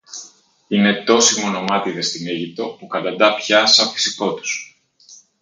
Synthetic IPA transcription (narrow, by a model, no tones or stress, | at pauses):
ine̞t̪o̞simono̞mɐt̪iðe̞st̪iniʝip̚t̪o̞pukɐd̪ɐnd̪ɐpçɐsɐfi̥siko̞t̪u̥s